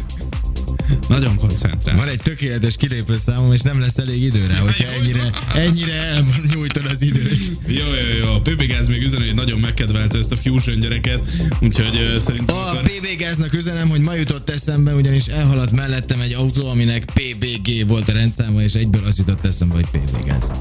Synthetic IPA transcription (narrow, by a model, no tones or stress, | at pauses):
nɒɟo̞ŋko̞nt̪sɛ̰nt̪ɾa̰ːvɒnɛc̚t̪økeːlɛt̪ɛʃkileːpøːsaːmomeːʃnɛmlɛsːɛleːɡid̪øːɾɛɦo̞cʰhɒɛɟːiɾɛɛɟːiɾɛɛlmoɲuːjt̪od̪ɒzid̪øːt̪ | joːjoːjoːpeːbeːɡaːzmeːɡyzɛnɛnɒɟo̞mːɛkːɛd̪ʋɛlt̪ɛɛst̪ɒfjuːʒøɲɟɛɾɛkɛt̪uːcho̞ɟsɛɾinɒpeːveːɡaːznɒkyzɛnɛmho̞ɟmɒjut̪o̞t̪ːɛsɛmbɛuɟɒniʃɛlɦɒlɒt̪mɛlːɛt̪ːɛmɛɟːɒut̪oːɒminɛkpeːbeːɡeːvo̞lt̪ɾɛnt̪saːmɒeːʃɛɟ̚bøːlɒsjut̪o̞t̪ːɛsɛmbɛho̞c̚ʲpḛːbḛːɡa̰ːz̥